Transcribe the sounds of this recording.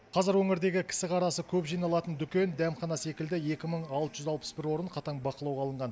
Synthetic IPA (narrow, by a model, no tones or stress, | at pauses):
qʰɑzɪɾwɵŋɪɾd̪e̞ɡʲɪkʲʰɪ̥sɪqʰɑɾɑsəkʲʰɵpʒijnɑlˠɑt̪ənd̪ʏkʲe̞nd̪æmχɑnɑsekʲɪld̪ɪje̞kʲɪməɴɑlˠt̪əʒʏzɑlˠpə̥sbɪɾwo̞ɾəɴqʰɑt̪ɑɴbɑqəlˠɑwʁɑlˠəɴʁɑn